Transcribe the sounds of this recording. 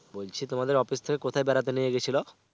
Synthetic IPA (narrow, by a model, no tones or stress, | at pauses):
bolt͡ɕʰit̪omad̪eɾɔfist̪ʰekekot̪ʰaebɛɾat̪̬enijeɡet͡ɕʰilo